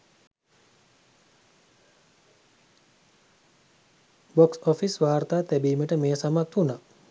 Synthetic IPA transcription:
boksofisʋaːɾt̪aːt̪æbiːməʈəmeːsamat̪una

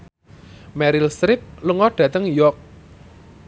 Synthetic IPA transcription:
mɛɾɪlst̪ɾɪp̚ləŋɔɖ̥ä̤t̪əŋjɔk̚

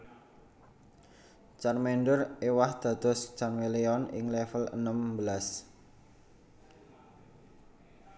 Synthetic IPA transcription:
t͡ʃarmɛnɖʊrewahd̪̥a̤d̪̥ɔ̤st͡ʃanweleɔnɪ̰ŋlɛfələ̰nəmbəlas

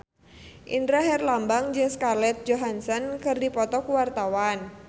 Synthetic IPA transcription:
ʔindɾaɦɛrlambaŋd͡ʒɨŋskalɛt̪̚d͡ʒoɦansɔnkɨrdipɔt̪ɔkuwart̪awan

